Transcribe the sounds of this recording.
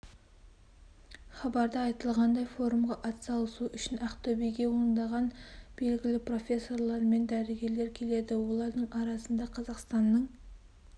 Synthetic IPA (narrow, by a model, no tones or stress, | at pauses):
χɑbɑɾd̪ɑɑjt̪əlˠʁɑnd̪ɑjfo̞ɾumʁɑʔɑt̪sɑlˠəsuʔʏʃɪnæqt̪ʰɵbejɡʲe̞woɾənd̪ɑʁɑnb̥e̞lɡʲɪlɪpro̞fʲe̞sːo̞ɾlˠɑɾme̞nd̪æɾeɡʲe̞ɾle̞ɾkʲʰe̞le̞d̪ɪwo̞lˠɑɾd̪əɴɑɾɑsənd̪ɑqʰɑzɑqst̪ɑnːəɴ